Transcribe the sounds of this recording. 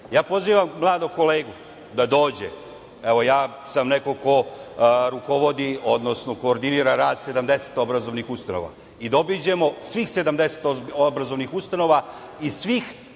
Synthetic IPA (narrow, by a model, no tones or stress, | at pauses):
jaːpo̞ziːʋamːlˠaːd̪oko̞leːɡu | d̪ad̪o̞ːd͡ʑe | e̞ʋo̞jaː | samneko̞ko̞ɾuko̞ʋo̞d̪io̞d̪no̞sno̞ko̞ːɾd̪iniːɾaɾaːd̪se̞d̪amd̪e̞set̪obɾazo̞ʋnixust̪ano̰ʋa̰ | id̪o̞bid͡ʑe̞mo̞sʋixse̞d̪amd̪ese̥t̪oobɾazo̞ʋnixust̪ano̞ʋaisʋix